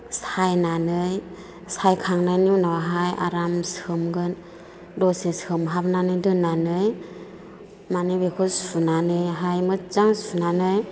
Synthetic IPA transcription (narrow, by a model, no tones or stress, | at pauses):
sajnanɯj | sajkʰaŋnajniwnawaɦajʔa̰ɾamsɯmɡɯn | dɔseshɯmɦabnanɯjdɯnanɯj | manɯbekʰɯsunanɯjɦajmɯzaŋsunanɯj